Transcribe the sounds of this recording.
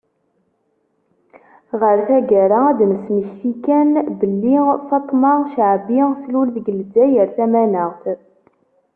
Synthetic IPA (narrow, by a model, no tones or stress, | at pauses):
ʁəɾθæɡæɾaæd̪məsməçθikænbəlːifɑt̪ˤːmɑʃəʕbislulðɡəld͡zæjəɾθæmænəʁθ